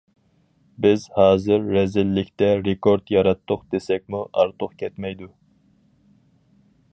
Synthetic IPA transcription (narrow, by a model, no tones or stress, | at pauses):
bɪzhɑːzɨɾːɛzɪlːɪkʲt̪ɛɾekʰoɾd̪jɑɾɑt̪ʰːʊqd̪̥esɛk̚ʲmuʔɑ̰ɾt̪ʰʊqkʲʰɛt̪mɛjd̪u